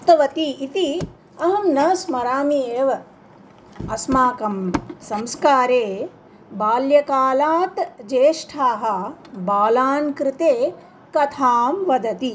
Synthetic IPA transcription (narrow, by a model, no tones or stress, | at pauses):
t̪ɐʋɐt̪iit̪i | ɐɦɐmnɐsmɐɾaːmieːʋɐ | ɐsmaːkɐmsɐmskaːɾeː | baːljɐkaːlaːt̪d͡ʒeːʂʈʰaːɦɐbaːlaːnkɾɪt̪eː | kɐt̪ʰaːmʋɐd̪ɐt̪i